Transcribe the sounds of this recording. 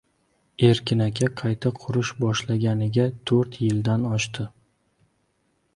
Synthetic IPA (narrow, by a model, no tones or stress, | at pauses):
e̞ɾkʲɪnakʲʰaqʰɑjt̪ʰaqʰʊɾʊʃbɒʃlaɡʲanɪɡʲat̪ʰɵɾt̪jɪld̪anɒʃt̪ʰɪ